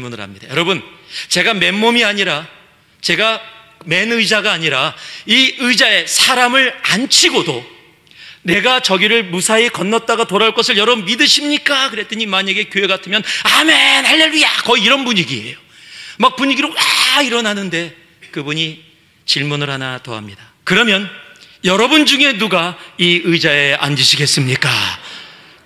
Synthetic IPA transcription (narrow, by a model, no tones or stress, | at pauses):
munɯɾɦa̰mɲid̥a̰jʌɾʌbɯnt͡ɕe̞ɡame̞mːomiaɲiɾa | t͡ɕe̞ɡa | me̞nɯid͡ʑaɡaːɲiɾaiɯd͡ʑae̞sʰaɾamɯɭa̰nt͡ɕʰiɡodo | ne̞ɡat͡ɕʌɡiɾɯɭmusʰaekʌnːʌt̚t͈aɡatoɾaɭk͈ʌsʰɯɭjʌɾʌmːidɯɕʰimɲik͈akɯɾe̞t͈ɯɲimaɲaɡe̞kjoɦe̞katʰɯmjʌname̞nhaɭːeʎujakʌiːɾʌnbuɲiɡie̞̰jo | mak̚puɲiɡiɾowaiɾʌnanɯnde̞ | kɯbuɲi | t͡ɕiɭmunɯɾɦanato̰ɦa̰mɲida | kɯɾʌmjʌn | jʌɾʌbund͡ʑuŋe̞nuɡaiɯd͡ʑae̞ʔa̰nd͡ʑɯɕʰiɡe̞s͈ɯmɲik͈a̰